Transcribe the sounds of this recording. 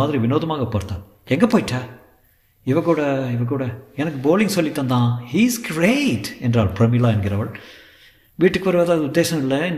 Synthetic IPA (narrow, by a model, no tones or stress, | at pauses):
aːd̪ɾiʋɪnoːd̪ɐmaːɡɐpoːɾt̪ːaː | ɛŋɡɐpoːjiʈːaː | iʋɐkːuːɽɐiʋɐkuːɽɐɛnɐkːɨboːliŋɡsolːit̪ːɐ̃nd̪ãːhiːzɡɾeʈɛndɾaːɐɭpɾɐmilaːɐnɡɪɾɐʋɐɭ | ʋiːʈːɯkːʋɐɾʋɐːd̪aːðʊd̪ːeːʃɐmɪlːɐ